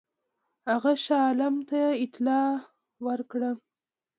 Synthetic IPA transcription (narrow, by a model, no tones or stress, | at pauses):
haɣaʃɑlamt̪aɪt̪lɑ | wəɾkɽə